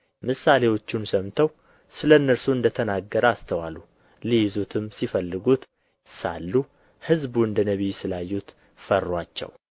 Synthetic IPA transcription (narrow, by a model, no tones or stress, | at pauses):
mɨsale̞wo̞t͡ʃːunsəmt̪ʰəw | sɨləɨnːəɾsuɨnd̪ət̪ʰənaɡːəɾəast̪ʰəwalːu | lijɪzut̪ʰɨmsifəlːɨɡut̪ | sa̰lːu | hɨzbuɨnd̪ənəβisɨlajːut̪ | fərːwat͡ʃːɛ̰w